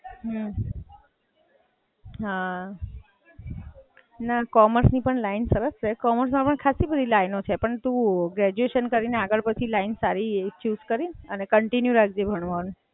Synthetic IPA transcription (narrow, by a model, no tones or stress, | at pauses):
ɦ | ɦa | nakɔməɾsnipəɳlainsəɾəst͡ʃʰekɔməɾsmãpəɳkʰasibəd̪ʱilainot͡ʃʰepəɳt̪ũɡɾɛd͡ʒueʃənkəɾineaɡəɭpət͡ʃʰilainsaɾit͡ʃuzkəɾinənekəɳʈinjũɾak̚ʰd͡ʒebʱəɳ̃ʋanũ